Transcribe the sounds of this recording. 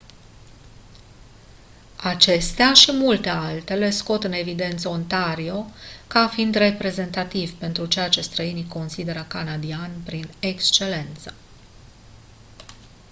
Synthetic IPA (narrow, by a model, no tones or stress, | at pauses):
at͡ʃe̞st̪eaʃimult̪e̞alt̪e̞le̞sko̞t̪ɨne̞vid̪e̞nt̪səont̪aɾio̞kafind̪re̞pɾe̞ze̞nt̪at̪ivpe̞nt̪ɾut͡ʃe̞jat͡ʃe̞st̪ɾəiniko̞nsid̪e̞ɾəkanad̪ianʲpɾine̞kst͡ʃe̞le̞nt̪sə̥